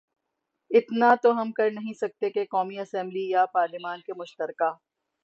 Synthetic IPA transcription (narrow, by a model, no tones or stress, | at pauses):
ɪt̪nat̪oɦɐmkɐɾnɐɦĩsɐk̚t̪ekekɔːmiɐsɛ̃mblijapaːɾlɪmaːnkemʊʃt̪əɾkaː